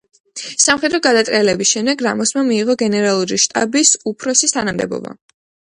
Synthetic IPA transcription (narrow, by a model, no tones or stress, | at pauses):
samχɛd̪ɾɔɡad̪at̪ʼɛlɛbisʃɛmd̪ɛɡɾa̰mɔsmamiːʁɔɡɛnɛɾalˠuɾiʃt̪ʼabisupʰɾɔsist̪ʰanamd̪ɛ̰bɔ̰ba̰